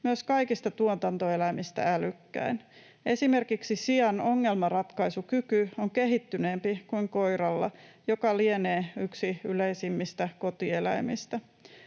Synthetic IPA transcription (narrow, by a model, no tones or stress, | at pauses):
myøskɑikist̪ɑt̪uot̪ɑnt̪oelæmist̪æ̰ælykːæ̰in | e̞sime̞rkiksisiɑno̞ŋːe̞lmɑrɑt̪kɑisukykyoŋke̞ɦit̪ːyneːmpikuiŋko̞jɾɑlːɑ̰ | jokɑlieneːyksiyleisimːist̪æko̞t̪ie̞læ̰imist̪æ